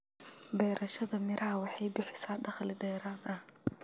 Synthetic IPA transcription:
bɛjɾʔɐʃɐðɐmɪɾʔɐhɐwɑħɑjbɪħɪsaːd̪ɐχlɪdɛːɾaːd̪ʔɐh

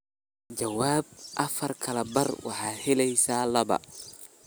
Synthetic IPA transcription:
d͡ʒɐwaːb̚ʔɐfɐrkʰɐlɐbɐrwɑ̰ħɑːhɛlɛjsaːlɐβɐ̰

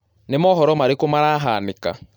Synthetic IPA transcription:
nemɔɦɔɾɔmaɾekomaɾaːɦaːnika̰

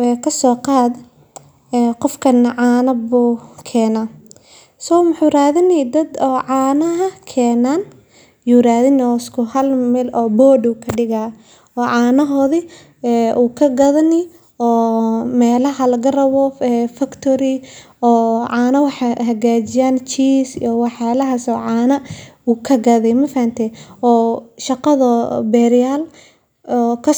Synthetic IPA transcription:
ɛkʰɐsɔːqɑːd̪ | ɛqɔfkʰɐnʕaːnɐbuːkʰɛːnaː | sɔmʊħuːɾaːðɪnɛd̪ɐd̪ɔːʕaːnɐɦɐkʰɛːnaːn | juːɾaːðɪnɔːɪskʰʊhɐlmɛlɔːbɔːɖuːkʰɐɖɪɣaː | ɔːʕaːnɐɦɔːði | ɛuːkʰɐɡɐðɐni | ɔːmɛːlɐɦɐlɐɡɐrɐwɔɛfɐkt̪ʰɔɾi | ɔːʕaːnɐwɑħaɦɐɣaːt͡ʃɪjaːnt͡ʃiːsijɔwɑħjaːlɐɦɐsɔːʕaːnɐuːkʰɐɡɐðɛmɐfɐhɐnt̪ʰɛɔːʃɐqɐðɐbɛːɾɪjaːl | ɔkʰɐ

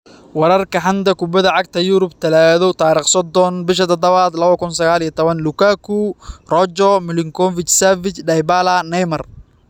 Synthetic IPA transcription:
wɑɾɐrkʰɐħɑnd̪ɐkʊbɐðɐʕɑɡ̚t̪ʰɐjuɾʊbt̪ʰɐlaːðɔt̪ʰaːɾiːχsɔd̪ɔnbɪʃɐt̪ʰɔd̪ɐβaːd̪lɐβɐkʊnsɐɣaːlijɐt̪ʰɔβɐnlʊkʰakʰurɔt͡ʃɔmɪlɪŋkʰɔfɪt͡ʃsavɪt͡ʃɖɐjbalɐnɛjmɐr

